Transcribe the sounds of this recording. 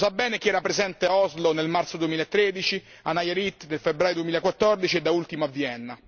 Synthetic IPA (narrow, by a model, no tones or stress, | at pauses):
sabːɛːnek̟iɛːɾapɾezɛnt̪eaɔzlonelmart̪sod̪uemiːlaet̪ːɾed̪it͡ʃi | anːajaɾit̪ːd̪elfebːɾaːjod̪uemiːlakwat̪ːɔrd̪it͡ʃied̪ːault̪imaavːjɛnːa